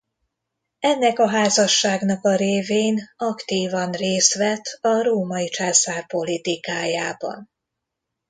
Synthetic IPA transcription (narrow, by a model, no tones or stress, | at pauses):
ɛnːɛkɒɦaːzɒʃːaːɡnɒkɒɾeːveːnɒkt̪iːvɒnreːst̪ʋɛt̪ɒɾoːmɒit͡ʃaːsaːrpo̞lit̪ikaːjaːbɒ̰n